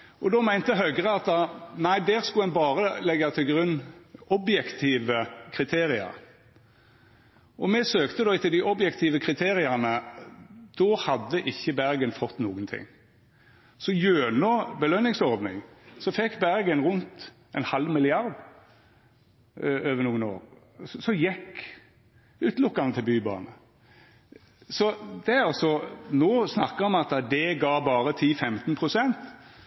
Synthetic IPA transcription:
ʔɔd̪ɔmæɪnt̪əɦœɡʁəɑt̪̚d̪ɑnæɪd̪æːʁskʉɛnbɑːʁəlɛɡːɑt̪ʰɪlɡʁʉnːʔɔbjɛkt̪ʰiːʋəkʰʁɪt̪ʰeːʁɪɑ̰ʁ | ʔɔmɛsøːkt̪əd̪ɔt̪ʰɪld̪ɪʔɔbjɛkt̪ʰiːʋəkʰʁɪt̪ʰeːʁɪɑʁnə | d̪̥ɔhɑd̪ːəʔɪçːəbæʁɡənfɔt̪ːnuːɡənt̪ʰɪ̰ŋ | sɔjøːnɔbəlœnɪŋsɔʁd̪nɪŋsɔfɛkːbæɾɡənʁʉnt̪ | ɛnhɑlʋmɪlɪɑʁɾd̪ | øːʋəɾnuːəno̰ːɾ | ssɔjɛkː | ʉːt̪lʊkːɑnət̪ʰɪlbyːbɑ̰ːnə | sɔd̪ɛæɾɑsɔnoːsnɑkːəʁɔmɑt̪d̪ɛɡɑːbɑːɾət̪ʰiːfɛmt̪npʰʁʊsɛnt̪

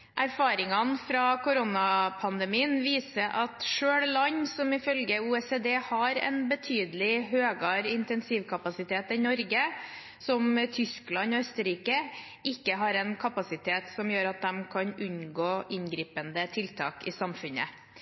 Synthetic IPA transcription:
ʔæɾfɑːɾɪŋɑnfɾɑkʰʊɾonɑpʰɑnd̪ɛmiːənʋiːsəʔɑt̪ʂøːɽlɑɲsɔmɪfœlɡəuːɛseːd̪eːhɑɾɛ̰nbət̪ʰyːd̪əlɪɦøːɡɑɾɪnt̪ɛnsiːʋkʰɑpɑsɪt̪ʰeːt̪ɪnɔɾɡə | sɔmt̪ʰʏsklɑnɔœst̪əɾiːkə | ɪkːəɦɑɾɛnkʰɑpɑsɪt̪ʰeːt̪sɔmjøːɾɑt̪̚d̪ɛmkʰɑnʉnɡoːʔɪnɡɾiːpənd̪ət̪ʰɪlt̪ʰɑ̰ːkɪsɑmfʉnə̰

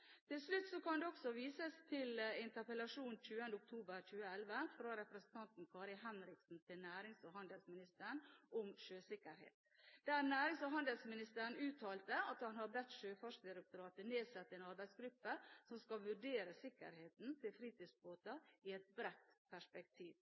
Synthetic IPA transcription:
t̪ʰɪlslʉt̪ːsɔkʰɑnd̪ɛɔksɔʋiːsəst̪ʰɪlɪnt̪əɾpəlɑʂuːnc͡çʉːənd̪əʊk̚t̪ʰuːbəɾc͡çʉːəɛlʋəfɾɑɾɛpɾəsn̩t̪ʰɑnt̪n̩kʰɑːɾɪɦɛnɾɪksn̩t̪ʰɪlnæːɾɪŋsɔɦɑnd̪əlsmɪnɪst̪əɾɳʔɔmʃøːsɪkːəɾhḛːt̪ | d̪̥æːɾnæːɾɪŋsɔɦɑnd̪əlsmɪnɪst̪əɾɳ̩ʉːt̪ʰɑːlt̪əɑt̪hɑnhɑɾbɛt̪ːʂøːfɑʂd̪ɪɾɛk̚t̪ʊɾɑːt̪əneːd̪sɛt̪ːɛːnɑɾbæɪsɡɾʉpːəsɔmskɑʋʉɖeːɾəsɪkːə̰ɾheːt̪n̩t̪ʰɪlfɾiːt̪iːsboːt̪əɪɛt̪̚bɾɛt̪pʰæʂpɛk̚t̪ʰiːʋ

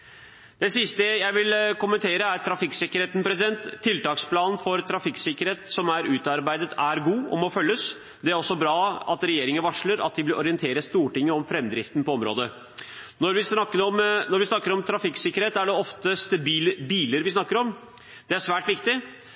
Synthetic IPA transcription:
d̪̥ɛsɪst̪əjæɪʋɪlkʊmənt̪ʰeːɾəæɾt̪ʰɾɑfɪksɪkːəɾheːt̪n̩pɾɛsɪd̪ɛnt̪ʰːɪlt̪ɑːkspʰlɑːnn̩fɔɾt̪ʰɾɑfɪksɪkəɾheːt̪sɔmæɾʉːt̪ɑɾbæɪd̪ət̪ʰæɾɡuːɔ̰mɔfœlːəs | d̪ɛæɾɔsːɔbɾɑːɑt̪ɾɛjeːɾɪŋənʋɑʂɭəɾɑ̰t̪̚d̪ɪblɪʔɔɾɪənt̪ʰeːɾəst̪uːʈɪŋːəɔmfɾɛmːd̪ɾɪft̪n̩pɔɔmɾo̰ːd̪ə | nɔɾʋɪsɑkːəɔmnɔɾʋɪsnɑkːəɾɔmt̪ʰɾɑfɪksɪkəɾeːt̪æɖɛɔft̪əst̪əbiːləbiːləɾʋɪsnɑkːəɾɔm | d̪̥ɛæʂʋæːʈʋɪkt̪ɪ

